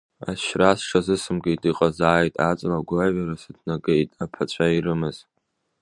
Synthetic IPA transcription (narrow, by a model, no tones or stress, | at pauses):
a̰ʃrasʂʰazɨsɨmɡejtʼiqʼazaːjtʼat͡sʼlaɡʷlaɥaɾasɨdʰnaɡejtʼapʰat͡ɕʷʰaiɾɨmɨz̥